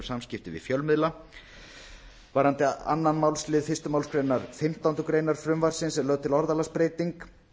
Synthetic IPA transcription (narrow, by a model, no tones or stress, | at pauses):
ɾ̥samscɪft̪ɪvɪ̰ðfjœlmɪðla | vaɾhant̪ɪa̰nːanmawlslɪːðfɪrst̪ʏmawlskɾejnaɾfɪm̥t̪awnt̪ʏkɾejnaɾ̥fɾʏmvaɾ̥sɪnsɛmlœːɣt̪ʰɪlɔɾðalaspɾeːjt̪iŋk